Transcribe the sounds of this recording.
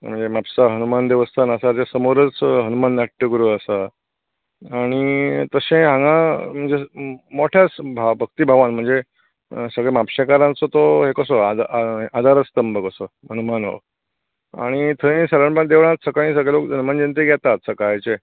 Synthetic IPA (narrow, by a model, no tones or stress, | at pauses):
m̤əɳd͡zemapsaɦənumand̪eʋəst̪ʰanəsat͡ɕesəmoɾət͡sɦənumandaʈːəɡuɾuəsa | aɽ̃it̪əɕẽɦãŋɡãm̤əɳd͡zemoʈʰjat͡sbʱabʱək̚t̪iːbʱaʋãnm̤əɳd͡ze | səɡɭemapɕekaɾãnt͡sot̪oɦekəsoad̪ʔad̪ʱaɾət͡st̪əmbəkəsoɦənumanɦo̰ | a̰ɽ̃it̪ʰəĩsələɳpãd̪eʋɳ̃at͡ssəkãĩs̬əɡɭelokd͡ʑənmand͡ʑent̪eɡʱɛt̪at̪səkajt͡ɕe